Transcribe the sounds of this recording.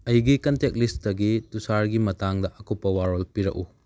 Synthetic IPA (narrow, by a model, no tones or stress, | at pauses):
ɐjɡikɐntek̚lisdɐɡitusaɾɡimɐtaŋdɐʔɐkupːɐwaɾolpiɾɐ̰k̚u